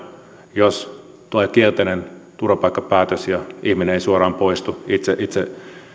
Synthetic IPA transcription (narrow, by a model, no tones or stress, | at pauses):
jos | t̪uɑikielt̪enent̪urʋɑpɑikːɑpæːt̪øsjɑihmineeisuorɑːmpoist̪uit̪seʔit̪se